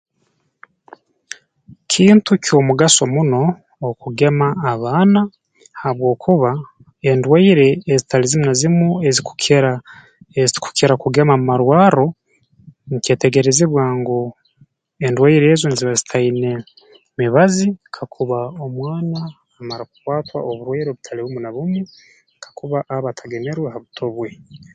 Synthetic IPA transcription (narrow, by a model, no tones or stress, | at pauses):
kʰiːntuco̞ːmuɡaso̞muno̞ː | kuɡe̞maːβaːna | haβwo̞ːkʰuβa | endwaiɾe̞ːzitalizimunazimue̞ziku̥eɾa | eku̥keɾakuɡe̞mamumaɾwaːɾo̞ | niceːte̞ɡe̞ɾeziβwaːŋɡo | endwaiɾe̞ːzonziβazitʰaine̞ | miβazikʰakʰuβaomwaːnaː | maɾaku̥kwaːtwa̰ʔoβuɾwaiɾoβutʰaliβumunaβumwe | kʰḁkuβaʔaβatʰaɡe̞neɾweɦaβutʰo̞βwe